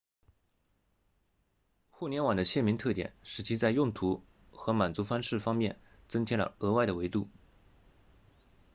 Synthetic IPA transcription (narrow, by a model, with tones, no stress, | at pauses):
xu˥˩njɛ˧˥nwa˨˩nd̪ə˦ɕjɛ˥˩nmi˧˥ŋt̪ʰɤ˥˩t̪jɛ̰˨˩nʂɻ̩˧˥t͡ɕʰi˥t͡sa˥˧ɪjʊ˥˩ŋt̪ʰu˧˥ | xɤ˧˥ma˨˩nt͡su˧˥fa˥nʂɻ̩˥˩fɑ˥ŋmjɛ˥˩n | t͡sɤ˥ŋt͡ɕʰi˧˥ŋlə̰˨˩ɤ˧˥wa˥˩ɪɾə˩we˧˥ɪt̪u˥˩